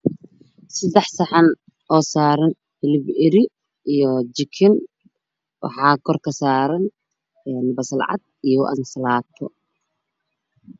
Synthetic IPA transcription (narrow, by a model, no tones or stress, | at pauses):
sɐd̪ɛħsɐħɑn | ʔɔːsaːɾɐn | hɪlɪbɪɾɪ | ijɔt͡ʃɪkʰɪn | wɑ̰ħɑːkʰɔrkʰɐsaːɾɐn | ɛːnbɐsɐlʕɑ̰d̪̚ijɔʔɐ̰nsɐlaːt̪ʰɔ